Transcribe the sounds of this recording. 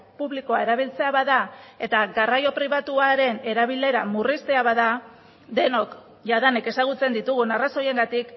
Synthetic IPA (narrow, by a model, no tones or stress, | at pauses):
puβliko̞ae̞ɾaβ̞ilt͡se̞aβaðae̞t̪aɣarajo̞pɾiβat̪uaɾe̞ne̞ɾaβ̞ile̞ɾamurist̪e̞aβaða | d̪e̞no̞k | ʝaðaneke̞saɣ̞ut͡se̞nd̪it̪uɣunaraso̞je̞ŋɡat̪ik